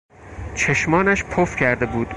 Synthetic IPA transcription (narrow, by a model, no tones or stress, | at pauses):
t͡ʃʰeʃmɒːnæʃpʰofcʰæɾd̪e̞buːd̪